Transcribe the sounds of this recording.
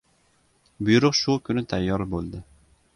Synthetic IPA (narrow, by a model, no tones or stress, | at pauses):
bʊjuɾʊqʃukʲʰynɪt̪ʰæjːɑɾbolˠd̪ɪ